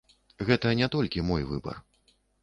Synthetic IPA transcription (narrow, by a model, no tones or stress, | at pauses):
ɣɛt̪ɐnʲɛt̪ɔlʲkʲimɔjvɨ̰bɐ̰r